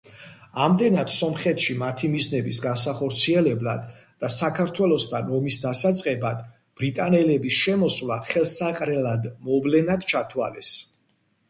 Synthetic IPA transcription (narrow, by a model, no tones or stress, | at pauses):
amd̪ɛnad̪̥sɔmχɛt̪ʃimat̪ʰimiznɛbisɡasaχɔɾt̪sʰiɛlɛbla̰d̪̥ː | asakʰaɾt̪ʰwɛlˠɔsd̪ʰanɔmisd̪asat̪sʼqʼɛbad̪̥ | b̥ɾit̪ʼanɛlɛbisʃɛmɔswlˠaχɛlˠsaqʼɾɛlad̪mɔvlɛnad̪̥t͡ʃʰat̪ʰwa̰lɛs